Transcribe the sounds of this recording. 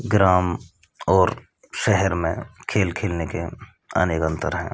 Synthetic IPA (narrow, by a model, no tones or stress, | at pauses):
ɡɾaːm | ɔːɾ | ʃɛɦɛɾmẽkʰeːlkʰeːlneke | ɐ̰neːkə̃nt̪ʰə̰ɾɦɛ̰̃ː